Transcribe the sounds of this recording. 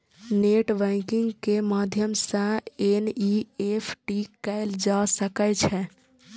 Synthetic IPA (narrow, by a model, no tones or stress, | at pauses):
neʈbɛ̃kiŋɡkemad̪ʱjəmsə̃eniepʰʈikɛɪld͡ʒasəkɛt͡ʃʰɛ